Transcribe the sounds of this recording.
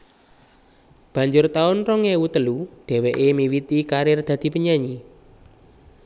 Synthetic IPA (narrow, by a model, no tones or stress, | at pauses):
b̥ä̤ɲd͡ʒʊrt̪aʊnrɔŋewut̪əluɖ̪̥ɛ̤wɛʔemiwit̪ikaɾɪrd̪̥ä̤d̪̥i̤pəɲaɲi